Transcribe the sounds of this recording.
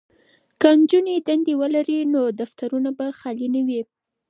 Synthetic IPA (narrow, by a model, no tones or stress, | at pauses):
kənd͡ʒuned̪and̪ewəlaɾinod̪aft̪aɾunabaxɑlinawi